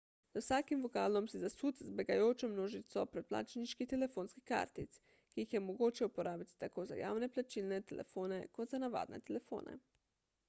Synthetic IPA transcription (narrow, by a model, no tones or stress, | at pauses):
zawsaːkimʋokaːlɔmsizasuːt̪zbeɡajoːt͡ʃɔmnoːʒit̪sɔpɾɛt̪̚pla̰ːt͡ʃniʃkit̪ɛlefoːnskika̰ːɾt̪it̪s | kiixjɛmoɡoːt͡ʃjɛupoɾaːbit̪i̥t̪akoːza̰ja̰ːwneplat͡ʃiːlnɛt̪ɛlḛfoːnekod̪t̪zanaʋa̰ːd̪nɛ̰t̪ɛlefo̰ːnɛ̰